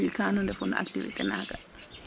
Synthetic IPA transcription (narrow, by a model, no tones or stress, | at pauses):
ikaːnɔndɛfunʔa̰ktiʋḭtɛnaːɡa